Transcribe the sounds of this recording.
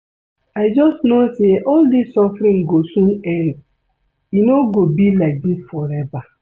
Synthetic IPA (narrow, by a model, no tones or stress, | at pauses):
aɪd͡ʒɔstnoseʔɔldisːɔfɾĩŋɡosũnɛ̃n | inoɡobilaɪk̚disfɔɾɛva